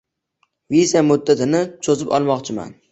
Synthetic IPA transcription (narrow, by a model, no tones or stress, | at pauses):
vizamʊd̪ːat̪ʰɪnɪt͡ʃʰozɪpɒ̰lˠmɒqt͡ʃʰɪma̰n